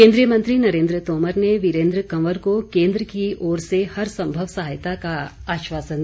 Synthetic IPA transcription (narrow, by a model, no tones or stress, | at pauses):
keːnd̪ɾijɐmɐnt̪ɾinɐɾeːnd̪ɾət̪oːmɐɾneʋiɾeːnd̪ɾəkɐmɐɾkokeːnd̪ɾəkiʔoːɾsehɐɾsɐmbʱɐʋsaɦajt̪akaaːʃʋaːsɐn